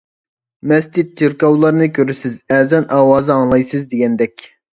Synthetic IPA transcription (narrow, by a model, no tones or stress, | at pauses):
mɛst͡ʃit̪̚d͡ʒiɾkɑwlˠɑɾɨnɨkʲʰøɾɪsɪzɛːzɛnʔɑːwɑːzɨɑŋlˠɑjsɨzd̪eɡʲɛnd̪ɛkʲ